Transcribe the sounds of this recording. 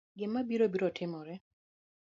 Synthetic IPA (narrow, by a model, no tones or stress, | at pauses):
ɡɪmːabiɾobiɾotʰɪmɔɾɛ